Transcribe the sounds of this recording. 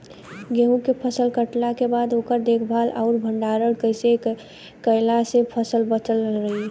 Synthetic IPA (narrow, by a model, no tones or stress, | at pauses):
ɡeɦũkepʰəsəlkəʈlakebad̪oːkəɾd̪ekʰbʱalʔa̰ʊɾbʱəɳɖaɾəɽkəɪse | kəɪlasepʰəsəlbət͡ʃəlɾəɦi